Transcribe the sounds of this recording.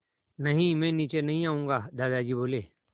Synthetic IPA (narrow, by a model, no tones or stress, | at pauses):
nəɦĩːmẽːniːt͡ʃeːnəɦĩːaːũːŋɡaːd̪aːd̪aːd͡ʒiːboːleː